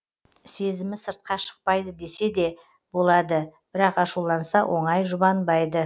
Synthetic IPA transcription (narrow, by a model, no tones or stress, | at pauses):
se̞zɪmɪsəɾt̪̚qɑʃə̥q̚pɑjd̪əd̪e̞se̞d̪e̞ | b̥o̞lˠɑd̪əb̥ɪɾɑqɑʃulˠɑnsɑwʔo̞ɴɑjʒʊbɑnbɑjd̪ə